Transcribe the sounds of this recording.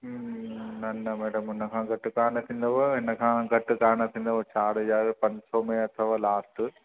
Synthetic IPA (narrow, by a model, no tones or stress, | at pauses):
nɐnːɐmeːɽɐmenːɐkʰãːɡɐʈːukaːɳɐt̪ːind̪ɐʋɐenːɐkʰãːɡɐʈːɨkaːɳɐt̪ʰːind̪ɐʋɐt͡ʃaːɽɐd͡ʒaːɾɯpɐnsoːmeːɐt̪ʰɐʋaːlaːsʈɨ